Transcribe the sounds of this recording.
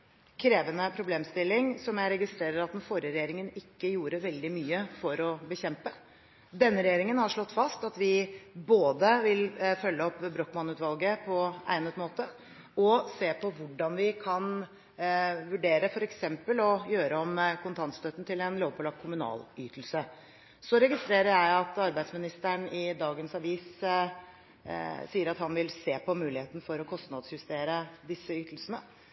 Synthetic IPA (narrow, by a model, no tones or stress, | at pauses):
kʰɾeːʋənəpʰɾʊbleːmst̪ɪlːɪŋsɔmjæɪɾɛɡɪst̪ɾeːɾəɾɑt̪d̪ɛnfoːɾəɾɛjeːɾɪŋənɪkːəjuːɾəʋɛld̪ɪmyːəfɔɾɔbəçɛmpə | d̪ɛnːəɾɛjeːɾɪŋənhɑʂɭɔt̪ːfɑst̪ɑt̪ʋɪboːd̪əʋɪlfœlːəɔpːbɾɔkːmɑnʉːt̪ʋɑlɡəpʰɔæ̰ɪnət̪moːt̪ə | ɔseːpʰɔʋʊɖɑnʋɪkʰɑn | ʋʉɖeːɾəfɔɾɛksɛmpəlɔjøːɾəɔmkʰʊnt̪ʰɑnt̪st̪øt̪n̩t̪ʰɪlɛnloːʋpʰɔlɑkʰːʊmʉnɑ̰ːlyːt̪əl̩sə | sɔɾɛɡɪst̪ɾeːɾəɾjæɪɑt̪ɑɾbæɪsmɪnɪst̪æɳɪd̪ɑːɡənsɑʋiːs | siːəɾɑt̪hɑnʋɪlseːpɔmʉːlɪheːt̪nəfɔɾɔkʰɔst̪nɑd̪sjʉst̪eːɾəd̪ɪsːəyːt̪əl̩sənə